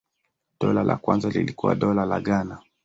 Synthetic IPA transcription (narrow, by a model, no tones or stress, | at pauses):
ɗɔlalʔakwanzalilikuwa̰ɗɔlalaɠana